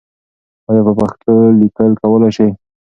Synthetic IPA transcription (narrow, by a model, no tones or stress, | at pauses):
wajapəpaxt̪ʰəlikəlkawəlajʃəj